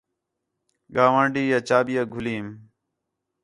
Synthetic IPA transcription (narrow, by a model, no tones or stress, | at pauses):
ɡaːʋãːɳɖiːjaːt͡ʃaːbijaːɡʱʊliːm